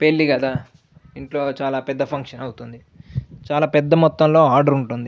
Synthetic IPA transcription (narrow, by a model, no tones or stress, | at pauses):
pelːiɡɐd̪aː | iɳʈlo̞ːt͡ʃaːlaːpɛd̪ːɐpʰɐŋkʂɐnɐwut̪und̪i | t͡ʃaːlaːpɛd̪ːɐmɔt̪ːɐmlo̞ːaːɾɖɐɾuɳʈund̪i